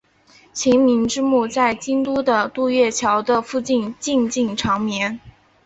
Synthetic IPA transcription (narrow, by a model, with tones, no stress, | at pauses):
t͡ɕʰi˧˥nmi˧˥nʈ͡ʂɻ̩˥mu˥˧t͡sa˥˩ɪt͡ɕi˥nt̪u˥d̪ə˨t̪u˥˧ɥɛ˥˩t͡ɕʰjɑ˧˥ʊd̪ə˧fu˥˧t͡ɕi˥˧nt͡ɕi˥˧nt͡ɕi˥˩ŋʈ͡ʂʰɑ˧˥ŋmjɛ˧˥n